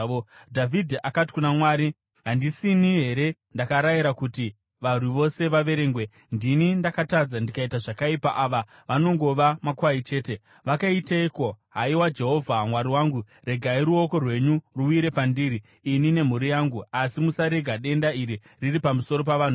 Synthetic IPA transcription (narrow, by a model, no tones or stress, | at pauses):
dʱavʱidʱakati̥kunamwaːɾi | ɦandisiniɦe̞ɾe̞ | ndakaɾajiɾakuti | ʋar̤uʋo̞se̞ʋaʋe̞ɾe̞ːŋɡwe̞ | ndinindakatad͡zandikaitaʐakaipaʔaːʋa | ʋano̞ŋɡo̞ʋamakwait͡ʃe̞ːte̞ | ʋakaiteikoɦaiwad͡ʒe̞ɦo̞vʱamwaɾiwaːŋɡu | re̞ɡʱaiɾuo̞ko̞rwe̞ɲuruiɾe̞pandiːɾiː | nine̞m̤uɾijaŋɡuasimusaɾeɡʱaɗe̞ndaiɾi | riripamuso̞ɾo̞paʋaːn̤u